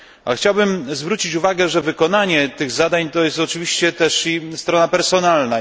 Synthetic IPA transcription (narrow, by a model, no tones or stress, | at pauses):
a̰xt͡ɕawbɘmzvɾut͡ɕit͡ɕuvaɡɛʐɛvɘkɔnaɲɛt̪ɘɣzad̪aɲt̪ɔjɛst̪ɔt͡ʂɘvʲiɕt͡ɕɛt̪ɛʂist̪ɾɔnapɛɾsɔnalna